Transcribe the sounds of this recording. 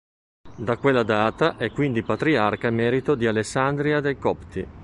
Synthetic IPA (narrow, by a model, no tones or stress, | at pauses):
d̪akwelːad̪aːt̪aʔɛkːwind̪ipat̪ɾiarkaimːɛːɾit̪od̪ialesːand̪ɾiad̪elkɔpt̪i